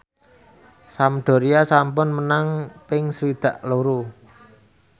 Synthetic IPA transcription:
samɖ̪̥o̤ɾiasampʊnmənaŋpɪŋsəwid̪̥ä̤ʔloɾu

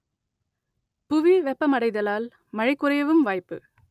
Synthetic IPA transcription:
pʊʋiʋɛpːɐmɐɽɐɪðɐlaːl | mɐɻɪkːʊɾɐjɐʋɯmʋaːjpːɯ̰

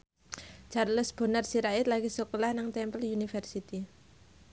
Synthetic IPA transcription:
t͡ʃarləsb̥o̤narsiɾaɪt̪laɡisukolahnaŋt̪ɛmpəljunifɛrsit̪i

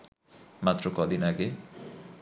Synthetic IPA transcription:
mat̪ːɾokɔd̪inaɡe

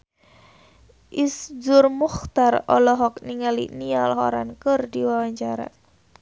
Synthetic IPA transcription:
ʔisd͡ʒʊrmuxt̪arɔlɔɦɔk̚niŋalḭnialɦɔɾa̰nkərdiwawaɲt͡ʃaɾa̰

